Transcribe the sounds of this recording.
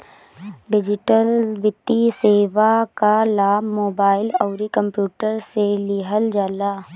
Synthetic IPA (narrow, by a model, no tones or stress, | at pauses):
ɖɪd͡ʒɪʈəlʋɪt̪ːiseːʋakalaːmoːbaːɪlɔʊɾikə̃mpjuːʈəɾselɪɦəld͡ʒaːlaː